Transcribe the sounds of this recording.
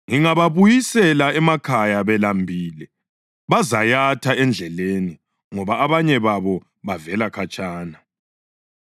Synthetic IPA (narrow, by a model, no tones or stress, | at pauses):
ŋiŋaβaβujisɛlaɛmakʰajaβɛlambʱiːlɛ | βazajatʰaɛnd͡ɮʱɛleni | ŋɔβaːβaɲɛβaβɔ | βavɛlakʰat͡ʃʼaːna